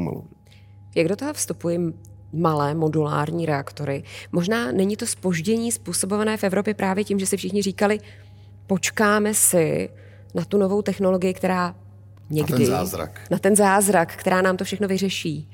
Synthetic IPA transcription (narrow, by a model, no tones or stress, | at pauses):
ma̰lṵ | jaɡdo̞t̪oɦofst̪upujɪ | malɛːmo̞dula̰ːɾɲiːɾɛakt̪o̞ɾɪmo̞ʒnaːnɛɲɪt̪o̞spo̞ʒɟɛɲiːspuːso̞bo̞vanɛːfɛvɾo̞pjɛpɾʔaːvjɛcimʒɛsɪfʃɪxɲɪriːkalɪ | po̞t͡ʃkaːmɛsɪ | nat̪uno̞vo̞wt̪ɛxno̞lo̞ɡɪjɪkt̪ɛɾaː | ɲɛɡdɪa̰ɾa̰knat̪ɛnzaːzɾakkːt̪ɛɾaːnaːmt̪ofʃɛxno̞vɪrɛʃiː